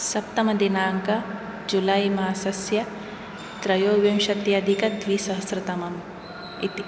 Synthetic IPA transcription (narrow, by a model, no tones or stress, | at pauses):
sɐp̚t̪ɐmɐd̪inaːŋkɐ | d͡ʒulajmaːsɐsjɐ | t̪ɾɐjoːɡʋjɐmʃɐt̪jɐd̪ʱikɐd̪ʋiːsɐɦɐsɾɨt̪ɐmɐm | it̪i